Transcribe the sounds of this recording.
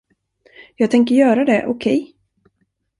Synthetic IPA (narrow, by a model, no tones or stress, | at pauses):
jɑːɡ̚t̪ʰɛŋk̬əɾjœːɾad̪ɛʔʊkʰɛj